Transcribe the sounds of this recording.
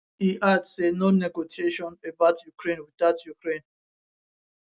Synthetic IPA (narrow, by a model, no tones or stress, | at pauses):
iʔadsenonɛɡosieʃɔ̃nebaʊtʰjukʰɹẽnwidaʊtʰjukɹẽn